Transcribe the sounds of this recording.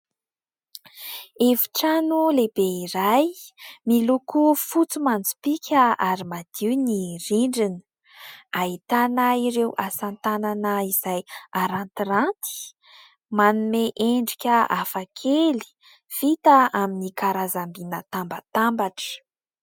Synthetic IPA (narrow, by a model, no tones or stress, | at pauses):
evi̥ʈ͡ʂanulebeiɾajmilukufut͡sumand͡zu̥pikʲʰəaɾimad̪̥iwniriɳɖ͡ʐini̥ | ait̪anaiɾewasant̪ananaiz̥ajaɾant̪irant̪i̥ | manumeʔeɳɖ͡ʐikʲəafakʰeli̥ | v̥it̪aaminikaɾazambinət̪ambət̪ambaʈ͡ʂə̥